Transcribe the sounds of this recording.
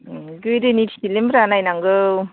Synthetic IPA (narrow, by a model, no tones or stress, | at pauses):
ɡɯjdɯniti̥tilembɾanajnaŋɡɯ